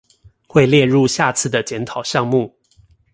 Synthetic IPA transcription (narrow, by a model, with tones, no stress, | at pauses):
xwe˥˧ɪljɛ˥˧ɻu˥˧˨ɕja˥˧t͡sʰɹ̩˥˩d̪ə˩t͡ɕjɛ˧˥nt̪ʰɑ˨˩ʊɕjɑ˥˧ŋmu˥˩˨